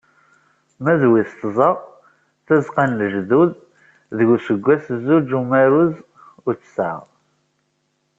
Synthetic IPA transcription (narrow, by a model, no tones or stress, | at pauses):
mæðwiθt̪zˤəʁ | θæzqanləʒðuð | ðəʝusəɡʷːæsəzːud͡ʒumæɾuz | ʊɾt͡sːsə̰ʁ